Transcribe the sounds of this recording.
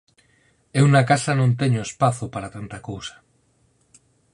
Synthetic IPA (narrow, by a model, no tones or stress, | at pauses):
eunakasanõnt̪eɲoespaθopaɾat̪ant̪akowsḁ